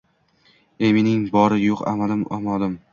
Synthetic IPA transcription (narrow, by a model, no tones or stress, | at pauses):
emɪnɪŋbɒɾɪjoqa̰mad̪ɪmɒmɒd̪ɪm